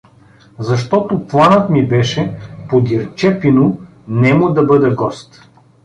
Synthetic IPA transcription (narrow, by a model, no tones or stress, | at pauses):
zɐʃt̪ɔt̪oplˠanət̪mibɛʃɛpod̪ʲiɾt͡ʃɛpinʊ | nɛmʊd̪ɐbɤd̪ɛɡɔst̪